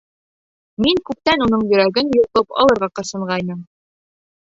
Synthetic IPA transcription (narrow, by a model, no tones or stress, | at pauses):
miŋkʉp̚t̪ænunɤɴjɵ̆ɾæɡɘnjuʁt̪ɤpɒ̰lˠɤ̆ɾʁɑqɤ̆sɤ̆ɴʁɑjnɤm